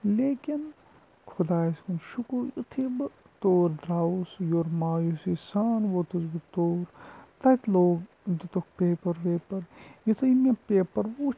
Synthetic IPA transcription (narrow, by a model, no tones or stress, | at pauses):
leːkin | kʰud̪aːskunʃukojṵt̪ʰibɨ | t̪oːɾd̪ɾaːsjoɾmaːjusisaːnʋot̪uzbɨt̪oːɾt̪ɐt̪loːɡ | d͡ʒit̪ok̚peːpɐɾʋeːpɐɾjit̪ʰoimepeːpɐɾʋoː